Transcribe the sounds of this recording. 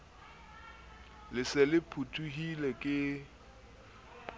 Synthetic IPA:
lɪsɪlɪpʰutʰʼuhilɛkʼɪ

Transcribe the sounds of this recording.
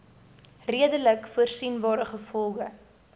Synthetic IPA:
riədələkfuərsinbɑːɾəχəfɔlˠɡə

